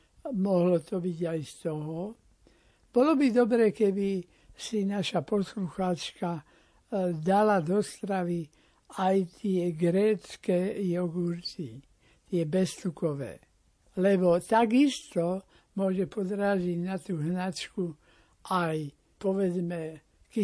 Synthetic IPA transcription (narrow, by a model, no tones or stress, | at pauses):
mɔɦlɔt̪ɔbiɟajst̪ɔɦɔ | b̥ɔlɔbid̪ɔbɾɛːkɛbi | sinaʃapɔsluxaːt͡ʃka | d̪alad̪ɔst̪ɾaʋi | ajt̪ɪɛɡɾɛːt͡skɛjɔɡuɾt̪i | t̪ɪɛbɛst̪ukɔʋɛ̰ː | lɛbɔt̪aɡist̪ɔ | mʊɔʒɛpɔd̪ɾaːziɟnat̪uːɦnat͡ʃku | aj | pɔʋɛd͡zmɛ | kɛ